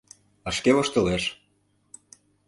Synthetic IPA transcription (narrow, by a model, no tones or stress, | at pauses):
əʃkeβoʃt̪ə̆leʃ